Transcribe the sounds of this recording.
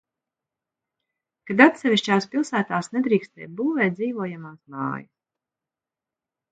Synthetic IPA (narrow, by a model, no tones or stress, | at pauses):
kad̪at̪sɛvʲiʃt͡ʃaːspilˠsæːt̪aːsnɛd̪ɾiːkst̪ɛ̰ːt̪̚buːvɛːt̪d̪ziːvuɔjamaːsma̰ːjɐs